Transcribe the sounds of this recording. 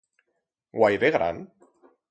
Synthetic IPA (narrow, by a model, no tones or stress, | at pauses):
ɡwajðeɣɾa̰n